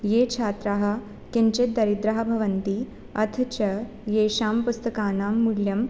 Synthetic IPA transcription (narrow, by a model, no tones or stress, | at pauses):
jeːt͡ʃʰaːt̪ɾaːɦɐ̆ | keɲt͡ɕet̪̚d̪ɐɾid̪ɾɐɦɐbʱɐʋɐnt̪iː | ɐt̪ʰt͡ɕɐ | jeːɕaːmpust̪ɐkaːnaːmːuɭjɐm